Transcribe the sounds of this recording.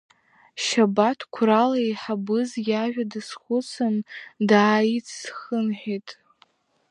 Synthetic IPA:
ʃabatʰkʷʰralajħabɨzjaʒʷᶣadɨsχʷʊt͡sʰɨndaːit͡sʰsχənħᶣitʼ

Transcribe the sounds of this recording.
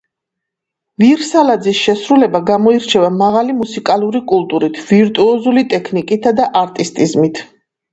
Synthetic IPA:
viɾsalad̪zisʃɛsɾulɛbaɡamɔiɾt͡ʃʰɛvamaʁalimusikʼalˠuɾikʼulˠt̪ʼuɾit̪ʰviɾt̪ʼuɔzulit̪ʼɛkʰnikʼit̪ʰad̪aʔaɾt̪ʼist̪ʼizmit̪ʰ

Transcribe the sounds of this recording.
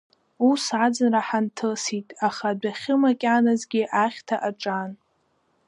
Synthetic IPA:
usad͡zɨnraħantʰɨsitʼaχadaχʲɪmakʲʼanazɡʲɪʔaχʲtʰaʔaʈ͡ʂʼan

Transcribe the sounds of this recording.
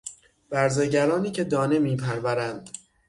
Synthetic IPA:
b̥æɾzeɟæɾɒːniːcʰe̞d̪ɒːne̞miːpʰæɾvæɾænd̪̥

